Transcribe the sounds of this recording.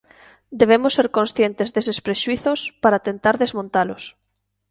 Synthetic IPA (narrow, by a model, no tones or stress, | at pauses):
d̪eβ̞emʊsːeɾkonsθjent̪ezðesespɾeʃuiθʊspaɾat̪ent̪aɾðezmõnt̪alʊs